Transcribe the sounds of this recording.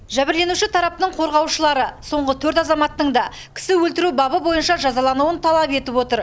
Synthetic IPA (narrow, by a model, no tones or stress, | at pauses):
ʒæbɪɾle̞nuʃɪt̪ʰɑɾɑp̚t̪əɴqʰo̞ɾʁɑwʃəlˠɑɾəso̞ɴʁət̪ʰɵɾt̪ɑzɑmɑt̪ːəɴd̪ɑ | kʲʰɪ̥sɪwɵlt̪ɪɾubɑbəbo̞jənʃɑʒɑzɑlˠɑnuwənt̪ʰɑlˠɑpe̞t̪ɪpwo̞t̪əɾ